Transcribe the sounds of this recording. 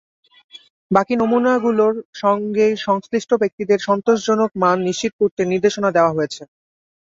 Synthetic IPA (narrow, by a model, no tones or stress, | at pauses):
bakinomunaɡuloɾʃɔŋɡeʃɔŋsɾiʃʈʰobek̚t̪id̪eɾʃɔnt̪oʃd͡ʑonok̚manːiʃt͡ɕit̪̚kuɾt̪eniɾd̪eʃonad̪eoaɦojet͡ɕʰe